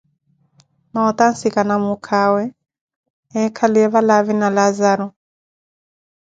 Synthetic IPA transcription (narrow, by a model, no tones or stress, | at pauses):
maɔt̪ansikanamukʰawɛ | ɛkʰaliɛβalaβinalazaɾɔ